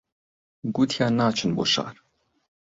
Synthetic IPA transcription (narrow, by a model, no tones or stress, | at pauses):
ɡut̪ʰijaːnaːt͡ʃʰɨnbo̰ʃa̰ːɾ